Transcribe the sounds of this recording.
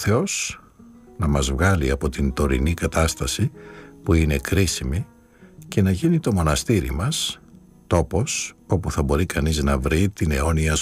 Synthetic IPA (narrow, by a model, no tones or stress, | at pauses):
θe̞o̞s | nɐmɐzvɣɐliɐpo̞t̪int̪o̞ɾinikɐt̪ɐst̪ɐsipuine̞kɾisimi | ce̞nɐʝinit̪o̞mo̞nɐst̪iɾḭmɐs | t̪o̞po̞so̞puθɐbo̞ɾikɐniznɐvɾit̪ine̞o̞niɐ